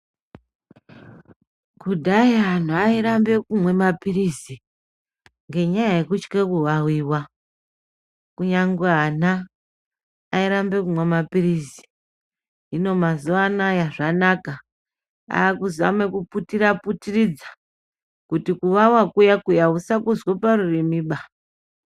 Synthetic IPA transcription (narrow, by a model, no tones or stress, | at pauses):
kudʱaiɦan̤uaiɾambe̞kumwe̞mapirizi | ŋɡe̞ɲajaje̞kut͡ʃkekuʋawiːwa | kuɲaŋɡeɦana | iɾambe̞kumwe̞mapirisi̥ | ɦino̞mazuanajaʐanaka | a̰ːkuzia̰me̞kuputiɾaputirid͡zḁ | kutikuʋawakujakujausakuzwoparurimiɓa